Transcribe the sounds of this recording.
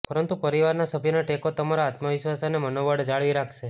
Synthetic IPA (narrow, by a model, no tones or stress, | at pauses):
pəɾənt̪upəɾiʋaɾnasəbʱjənaʈekot̪əmaɾaːt̪maʋiʃʋasanemənoʋəɽd͡ʒaɭʋiɾakʰʃe